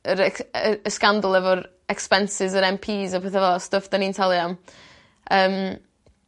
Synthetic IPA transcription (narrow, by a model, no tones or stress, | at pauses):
əɾɛkəəskandlˠɛvɔɾ | ɛkspɛnsɪzəɾɛmpʰiːzɔpʰeːθavɛlˠɔstəfd̥ənintʰalˠjɔm | əːm